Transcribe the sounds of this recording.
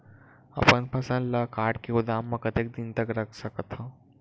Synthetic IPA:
ɐ̰pənpʰɐsə̃nlakaːɾɖkeʊd̪aːmːɐkət̪ek̚d̪ɪnt̪ɐkɾɐkʰsɐkət̪ɦãː

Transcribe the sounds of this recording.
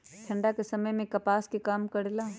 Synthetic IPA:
ʈʰɐ̃ɳɖakesɐməjmẽkɐpaːskikaːmkɐɽelaː

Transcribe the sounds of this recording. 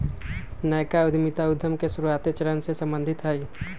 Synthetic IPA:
nəjkaʊd̪ʱmit̪aʊd̪ʱːəmkesuɾuat̪et͡ʃəɾənsesə̃mbənd̪ʱɪt̪ɦəi

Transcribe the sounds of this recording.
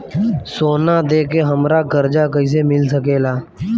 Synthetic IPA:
soːnaːd̪eːkeɦəmɾaɡəɾd͡ʒakəis̬emɪlsəkeːlaː

